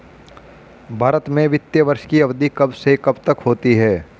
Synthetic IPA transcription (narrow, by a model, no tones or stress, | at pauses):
bʱaːɾət̪mẽʋɪt̪jəʋəɾʃkiɐʋd̪ʱikɐbsekɐbt̪əkɦoːt̪iɦɛː